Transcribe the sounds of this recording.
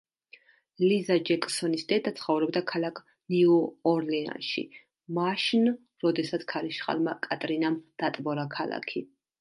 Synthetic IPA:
lizad͡ʒɛkʼsɔnisd̪ɛd̪at̪sʰχɔvɾɔbd̪akʰalakʰ | niɔːɾlɛa̰nʃḭ | maʃn | ɾɔd̪ɛsat̪sʰkʰaɾiʃχa̰lˠmakʼat̪ʼɾinamd̪̥at̪ʼbɔɾakʰalˠa̰kʰi

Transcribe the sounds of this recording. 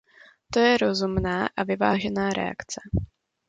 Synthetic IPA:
t̪o̞jɛɾo̞zumnaːʔavɪvaːʒɛnaːɾɛ̰a̰kt͡sɛ

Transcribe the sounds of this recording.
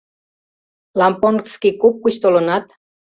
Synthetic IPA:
lɑmpoŋkskikup̚kuɕt̪olonɑt̪

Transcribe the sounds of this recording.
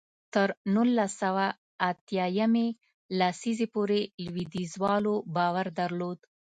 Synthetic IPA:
t̪əɾnulːasawaː | t̪jɑjame | lasizepoɾelwid̪izwɑlobɑwaɾd̪aɾlod̪

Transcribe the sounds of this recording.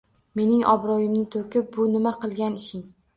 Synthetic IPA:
me̞nɪŋʔɒ̰bɾɒjɪmnɪt̪ʰokʲɪp̚bʊnɪmaqʰɨlˠɡʲanɪʃɪŋ

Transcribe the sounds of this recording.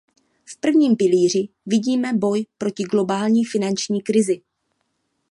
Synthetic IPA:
fpr̩vɲiːmpɪliːr̝ɪ | vɪɟiːmɛbo̞jpɾo̞cɪɡlo̞baːlɲiːfɪnant͡ʃɲiːkɾɪzɪ

